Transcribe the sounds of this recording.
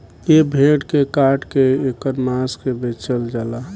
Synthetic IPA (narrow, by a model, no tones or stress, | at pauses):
jebʱeːʈkekaːʈkeekəɾmaːskebet͡ʃəld͡ʒaːla